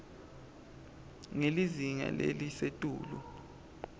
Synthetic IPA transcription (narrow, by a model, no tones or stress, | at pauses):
ŋeliziŋa̰lelisetʼuːlu